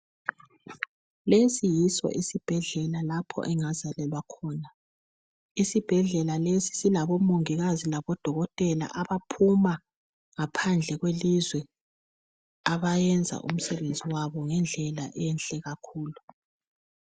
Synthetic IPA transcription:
lesijisɔ̰ʔisib̥ʱɛɮɛlalapʰɔ̰ʔɛŋazalɛlwakʰɔːna | isib̥ʱɛɮɛlalesi̥silaβɔmoŋiɣazilaβɔd̥ʱɔɣɔtʼɛla̰ʔaβapʰuma | ŋapʰand͡ɮʱɛɣwelizwɛ | aβajɛnd͡zʱa̰ʔṵm̩sɛβend͡zʱiwaβɔŋɛnd͡ɮʱɛlaʔɛnɬʼɛɣakʰuːlu

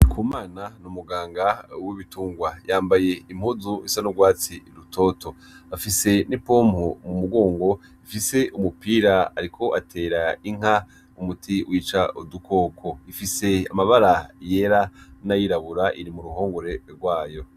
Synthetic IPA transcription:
kʰumaːnanumuɡaːŋɡawiβituːŋɡwajaːmbaje̞imhuzuisanuɡwaːt͡siɾutʰo̞tʰo̞ | afise̞nipoːmhumumuɡo̞ːŋɡo̞ | ifise̞ʔumupiːɾaaɾikʰo̞ʔatʰe̞ːɾaiŋ̥a | umutʰiwʔiːt͡ʃaudukʰo̞kʰo̞ifise̞a̰maβaɾaje̞ɾanajiɾaβuɾaʔiɾimuɾuɦo̞ːŋɡoɾe̞ɾɡwaːjo̞

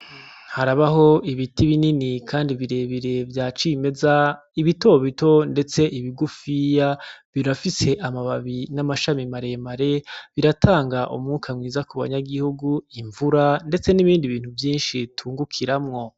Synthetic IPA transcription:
haɾaβaɦo̞iβitiβininikʰaːndiβiɾe̞ːβiɾe̞vjaːt͡ʃime̞za | iβitoβito̞nde̞t͡se̞ʔiβiɡufijaβiɾafise̞ʔamaβaβinamaʃamimaɾe̞maɾe̞βiɾatʰaːŋɡaʔṵmŋukʰamŋwiːzakuβa̰ɲaɡihuɡuiɱvuɾande̞t͡se̞niβiːndiβiːn̥huvjiːnʃitʰuːŋɡukʰiɾamŋo̞

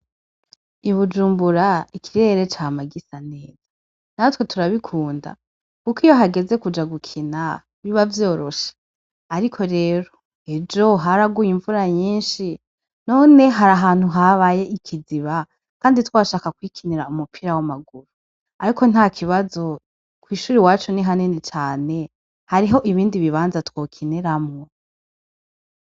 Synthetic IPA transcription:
iβud͡ʒuːmbuɾaikʰiɾe̞ɾe̞t͡ʃamaɡisane̞ːz̥a | natwe̞tuɾaβikʰuːnda̰ | kukiːjo̞ɦaɡe̞ze̞kud͡ʒaɡukʰina̰ | βiβavjo̞ːɾo̞ʃḁː | ɾikʰo̞ɾe̞ːɾo̞ | ed͡ʒo̞ɦaɾaɡujiɱvuɾaɲiːnʃi | no̞ːne̞ɦaɾaɦaːn̥huɦaβaje̞ʔikʰiziβa | kaːnditwaʃaːkakwiːkʰiniɾaumupʰiɾawamaɡuɾu | aɾiko̞n̥haːkʰiβazo̞ | kwiːʃuːɾiwaːt͡ʃoniɦaninet͡ʃaːne̞ | haɾiɦo̞ʔiβiːndiβiβaːnzatwoːkʰiniɾamŋo

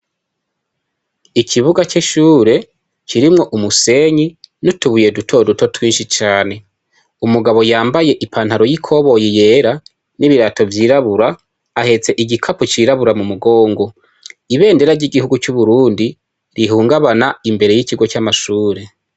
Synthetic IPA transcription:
ikʰiβuɡat͡ʃiʃuːɾe̞ | ciɾimŋo̞ʔumuse̞ɲinutuβuje̞dutʰo̞duto̞twiːnʃit͡ʃaːne̞ | umuɡaβo̞jaːmbaje̞ʔipʰaːn̥haɾo̞jikʰo̞βo̞jije̞ːɾa | niβiɾaːto̞vjiːɾaβuɾaː | he̞t͡se̞ʔiɟikʰaput͡ʃiɾaβuɾamumuɡo̞ːŋɡo̞ | iβe̞ːnde̞ɾaɾɟiɡihuɡut͡ʃuβuɾuːndi | ɾiɦuːŋɡaβanaimbe̞ɾe̞jiciɡo̞t͡ʃamaʃuːɾe̞

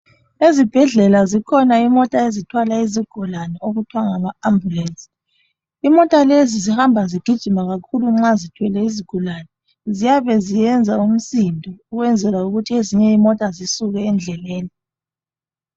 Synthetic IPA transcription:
ezib̥ʱɛɮɛlazikʰɔnaimɔtʼaezitʰwalaiziɡ̥ʱulanɛoɣutʰwaŋamaambʱulɛnsʼi̥ | imɔtʼalezizihambʱaziɡ̥ʱid̥ʒ̥ʱimaɣakʰuluŋ͡ǁazitʰwɛlɛiziɡ̥ʱulanɛ | zijaβɛzijɛnd͡zʱaum̩sindʱɔuɣwɛnd͡zʱɛlauɣutʰieziɲɛimɔtʼazisuɣɛːnd͡ɮʱɛleːni

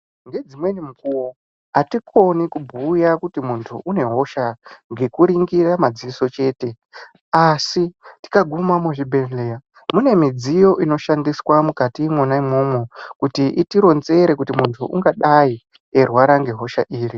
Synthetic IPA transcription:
ŋɡe̞d͡zimwe̞nimukuwo | atikʰo̞nikubʱujakutimuntʰuʔune̞ɦo̞ʃaŋɡe̞kuɾiŋɡiramad͡ziiso̞t͡ʃe̞ːte̞ | asiti̥kaɡʱumamuʐibʱenlea | mune̞mid͡zijo̞ʔino̞ʃandiswamukatimonaimo̞mwekutiʔitiɾo̞nze̞ɾe̞kutimuntʰuʔuŋɡaɗai | erwaɾaŋɡe̞ɦo̞ʃaʔiːri

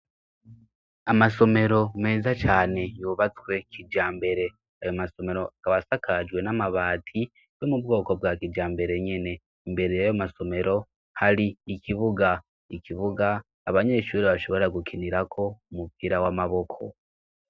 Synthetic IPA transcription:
amaso̞me̞ɾo̞me̞ːzat͡ʃaːne̞joːβat͡swe̞kʰid͡ʒaːmbe̞ɾe̞ | ajomaso̞me̞ɾo̞ʔakaβasakʰad͡ʒwe̞namaβaːtʰi | jo̞mubɡo̞ːko̞bwakiɟaːmbe̞ɾe̞ɲene̞ | mbe̞ɾejajomaso̞me̞ɾo̞ | haɾiːkʰiβuɡa | ikiβuɡaː | βaɲe̞ʃuːɾiβaʃo̞βo̞ɾaɡukʰiniɾakʰo̞umupiɾawamaβo̞kʰo̞̰

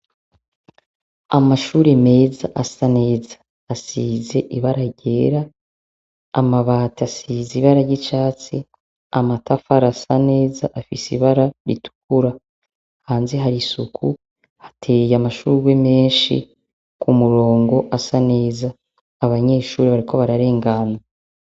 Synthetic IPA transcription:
amaʃuːɾeme̞ːzaʔasane̞ːzḁː | siːze̞ʔiβaɾaɟe̞ːɾaː | maβaːtiasiːziβaɾaɟit͡ʃaːt͡si | amatafaɾasane̞ːza̰ʔafisiβaɾaɾḭtu̥k̚uɾa | haːnzeɦaɾisukʰu | hḁtʰejamaʃuːɾiweme̞ːnʃḭ | kumuɾo̞ːŋɡo̞ʔasane̞ːzaː | βaɲe̞ːʃuːɾeβaɾikʰo̞βaɾaɾe̞ːŋɡana

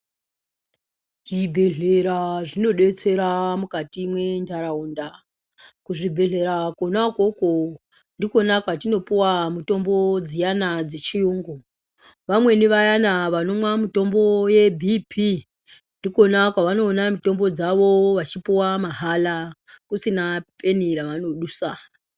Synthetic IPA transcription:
ʐibʱe̞ɮe̞ɾaʐino̞ɗe̞t͡se̞ɾamukatimwe̞ndaɾauːnda | kuʐibʱe̞ɮe̞ɾakonakoko | ndiko̞nakwatino̞piwamuto̞mbo̞d͡zijanad͡zet͡ʃijuːŋɡo | ʋamwe̞niʋajanaʋano̞mwamito̞mbo̞je̞bʱipʰi | ndiko̞nakwaʋano̞ːnamito̞mbo̞d͡zaʋo̞ʋat͡ʃipiwamaɦala | kusinapʰe̞niɾaʋano̞ɗuːsa

